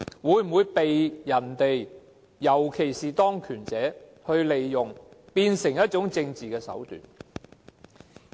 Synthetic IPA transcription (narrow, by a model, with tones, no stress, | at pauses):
wuː˨˧˥jm̩˨wuː˨˧˥jpe˨jjɐ˨˩nt̪e˨j | jɐ˨˩wkʰe˨˩jsiː˨t̪ɔː˥ŋkʰyː˨˩nt͡sɛː˨˥hɵ˧ɥle˨jːʊ˨˩ŋpiː˧nsɪ˨˩ŋjɐ˥t̚t͡ʃʊ˨˥ŋt͡sɪ˧ŋt͡siː˨kɛː˧sɐ̰˨˥wt̪y̰ː˨n